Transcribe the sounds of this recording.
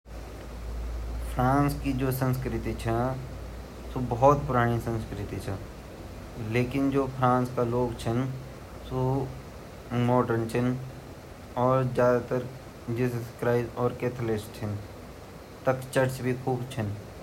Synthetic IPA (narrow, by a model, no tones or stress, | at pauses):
fʰɾãːnskid͡ʒoːsə̃nskɾɪt̪it͡ʃʰɛ̃ | sobɔɦɔt̪pʊɾaːɽ̃isə̃nskɾɪt̪it͡ʃʰɛ | leːkɪnd͡ʒoːpʰɾãːnskaloːɡt͡ʃʰən | so | mɔːʈəɾnt͡ʃʰɪn | ɔːɾzjaːd̪at̪əɾ | d͡ʒisəskɾaːɪzɔːɾkeːt̪ʰəlɪsʈt͡ʃʰɪn | t̪ɐkt͡ʃɐɾt͡ʃbʱikʰuːbt͡ʃʰən